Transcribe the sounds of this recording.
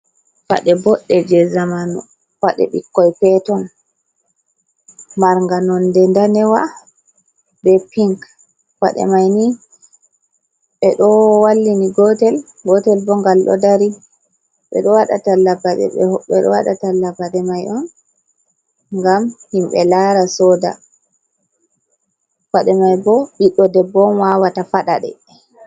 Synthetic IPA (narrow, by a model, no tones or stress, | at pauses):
wa̰ɗɛbɔɗːɛd͡ʒɛzamanɔ̰ | waɗɛ̰ɓikːɔjpɛtɔn | maɾŋɡanɔndɛndanɛwa | bɛpiŋk | wa̰ɗɛ̰majni | ɓɛɗɔwalːiniɡɔtɛl | ɡɔtɛlbɔŋɡalɗɔ̰daɾi | ɓɛ̰ɗɔwaɗa̰talːabaɗɛ̰ɓɛɗɔ̰wa̰ɗa̰talːabaɗɛmajʔɔn | ŋɡamhimɓɛlaɾasɔda̰ | waɗɛmajbɔʔiɗɔdɛbɔnwawatafaɗa̰ɗɛ̰